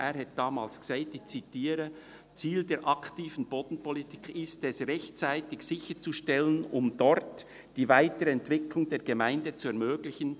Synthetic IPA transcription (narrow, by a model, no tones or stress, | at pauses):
ʔeːɾhɛt̚d̥ɑːmɑːlsɡ̥seːtdɪçt͡sitiːɾə | t͡siːldeːɾʔɑktiːvən̩b̥oːdn̩pʰɔlitʰiːkʰɪstɛsʁɛçtt͡saɪtɪçsɪçət͡suʃtɛlənʊmdɔɾt | d̥iːvaɪtəɾəɛntv̥ɪkʰlʊŋdeːɾɡemaɪndət͡suɛɐmøːɡlɪçən